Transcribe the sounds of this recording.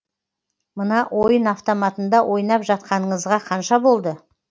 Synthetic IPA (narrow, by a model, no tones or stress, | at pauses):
mənɑwʔo̞jənɑft̪o̞mɑt̪ənd̪ɑwʔo̞jnɑpʒɑt̪̚qɑnəɴəzʁɑqʰɑnʃɑbo̞lˠd̪ə